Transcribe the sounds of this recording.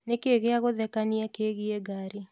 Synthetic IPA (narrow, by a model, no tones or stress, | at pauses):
nekeɣeaɣoðɛkaniakeɣieɡaɾi